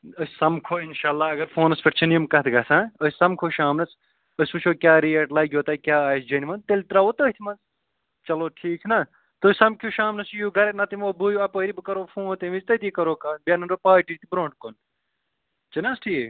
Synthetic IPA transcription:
əssɐmkʰoːinʃaːlːaːɐɡɐɾfʰoːnɐspʰʲɐʈt͡ʃʰɐnijumkɐt̪ʰɡɐsãːəsʲsɐmkʰoːʃaːmnɐt͡s | əsʲput͡ʃʰoːkʲaːɾijɐʈlɐɡʲjoːt̪ɐkʲaːaːjsd͡ʒɐnʲimɐnt̪elt̪ɾaːʋoːt̪əɦt̪ʰimɐnz | t͡ʃɐloːʈʰiːkʰnɐ | t̪osʲsɐmkʰuːʃaːmnɐsjuːɡɐɾenɐt̪imoːbuːjɐpəːɾibɨkɐɾoːfʰõːnt̪imizt̪ɐt̪iːkɐɾoːkaːnbʲɐnɐnɖoːpaːʈiːt̪ibɾõːɳʈ̚kon | t͡ʃinɐsʈʰiː

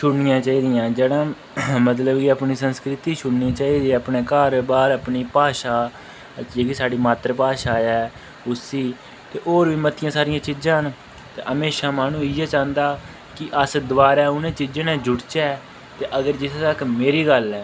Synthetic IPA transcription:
ʃʰʊɽnɪjãːt͡ʃaːiːd̪ɪjãːd͡ʒeːɽãː | mət̪ləbkɪəpniːsənskɾɪt̪iːʃʰʊɽniãːt͡ʃaːiːd̪iːəpneːkaːɾbaːɾəːpniːpaːʃaː | d͡ʒeːkiːsaːɖiːmaːt̪ɾəpaːʃaːɛː | ʊsiː | t̪eːʔoːɾʋiːmət̪ʰɪjãːsaːɾɪjãːt͡ʃɪd͡ʒãːɦn | t̪ḛːʔəmeːʃãːmaːnũːɪːɛːt͡ʃãːnd̪aː | kɪʔəsd̪əʋaːɾɛːʊnẽːt͡ʃɪd͡ʒẽːnɛ̃ːd͡ʒʊʈt͡ʃɛː | t̪eːʔəɡəɾd͡ʒɪst̪əkmeːɾiːɡəlɛː

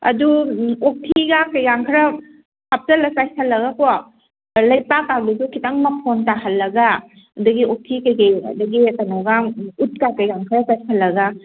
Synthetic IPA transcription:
ɐ̰duok̚tʰiɡakajɡaŋkʰɾɐ | hap̚tɐlɐsajsʰalːɐɡakoa | lɐjpakːawdusukʰitaŋmapʰontahalːɐɡa | adɐɡiok̚tʰikajkeja̰dɐɡitanɔɡaŋut̚kakajɡaŋkʰɾɐsajsʰalːɐɡa

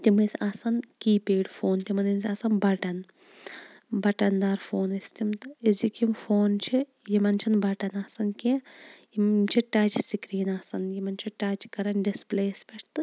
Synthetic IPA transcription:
t̪ʲimɨsʲasɐnkiːpʲeːɖfoːnt̪imɐninsʲɐsɐnbɐʈɐn | bɐʈɐnd̪aːɾfoːnist̪imt̪ɨizikimfoːnt͡ʃʰi | jimɐnt͡ʃʰɐnbɐʈɐnɐːsɐnkijimt͡ʃʰiʈat͡ʃsikɾiːnaːsɐnjimɐnt͡ʃʰiʈaːt͡ʃkɐɾɐnɖispleːspʲeʈʰt̪ɨ

